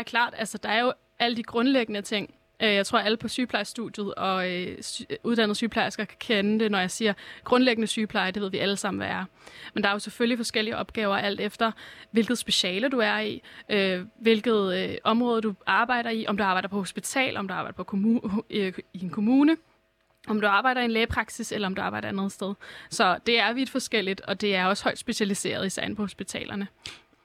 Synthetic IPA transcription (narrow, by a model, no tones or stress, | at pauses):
ɐkʰlɑ̰̈ːd̥æl̰sɐd̥ɑ̈æɐjo̝ | ʔæləd̥iɡ̥ʁɔ̽nleɡ̥ənət͡sʰe̝ŋ̰ | øjɑɪt͡sʰʁo̝ɐ̰æləpʰɒ̽syːpʰlɑ̈ɪsd̥ud̥jð̩ˠɒ̽ | uð̞ˠd̥ænð̩ˠsyːpʰlɑ̈ɪsɡ̥ækʰæ̥kʰenəd̥e̝nɒjɑ̈ɪsiːɐɡ̥ʁɔ̽nleɡ̥ənəsyːpʰlɑ̈ɪd̥e̝ʋe̝ð̰ˠʋiʔæləsɑ̈m̰n̩ʋææɐmend̥ɑ̈æɐjo̝seføllifɒ̽sɡ̥el̰iəʔɒ̽b̥̚ɡ̥ɛːʊɐʔæl̰d̥efd̥ɐʋe̝lɡ̥ð̩ˠsb̥e̝ɕɛːləd̥uæɐiʔøʋe̝lɡ̥ð̞̩ˠʔɒ̽mʁɔ̽ːð̞ˠd̥uʔɑ̈ːb̥ɑ̈ɪ̰ɾɐiʔɒ̽md̥uɑ̈ːbɑ̈ɪd̥ɐpʰɒ̽ho̝sb̥it͡sʰɛ̰ːlʔɒ̽md̥uɑ̈bɑ̈ɪdɐpʰɒ | ie̝nkʰo̝muːnə | ɒ̽md̥uɑ̈ːb̥ɑ̈ɪ̰ɾɐienleːpʰʁɑ̈ɡ̥siselɐɒ̽md̥uɑ̈ːbɑ̈ɪɐænəð̞̩ˠsd̥eð̞ˠsɒ̽d̥e̝æɐʋid̥fɒ̽sɡ̥el̰id̥ɒ̽d̥e̝æɐɒ̽shɒ̽ɪ̰d̥sb̥e̝ɕælise̝̰ːɐð̞ˠisɛ̰ɪ̰npʰɒ̽ho̝sb̥it͡sʰɛ̰ːlʔɐnə